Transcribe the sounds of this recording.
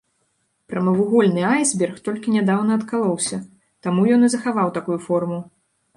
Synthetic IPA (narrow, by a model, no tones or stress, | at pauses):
pɾɐmɐvuɣɔlʲnɨajzbʲɛrxt̪ɔlʲkʲinʲad̪awn̪ɐɐt̪kalˠɔwsʲɐ | t̪amujɔnɨzɐxavawt̪akujufɔrmu